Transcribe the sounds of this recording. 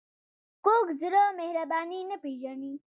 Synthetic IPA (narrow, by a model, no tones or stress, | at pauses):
koːkziɾoːmeɦɾɐbaːniːnəpiːd͡ʒəniː